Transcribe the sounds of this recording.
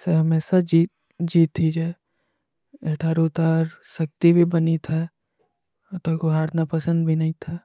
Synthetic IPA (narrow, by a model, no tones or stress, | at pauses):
seɦɐmeːsad͡ʒiː | d͡ʒiːt̪ʰːid͡ʒɛː | eʈʰaːɾut̪aːɾʃək̚t̪ibʱibɐnit̪ʰɛ | t̪okoɦaːɾnapɐsə̃nd̪bʱinɐɦĩt̪ʰa